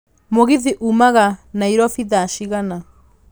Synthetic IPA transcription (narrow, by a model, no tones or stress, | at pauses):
moɣiðiʔumaɣanaiɾɔfiðaʃiɣana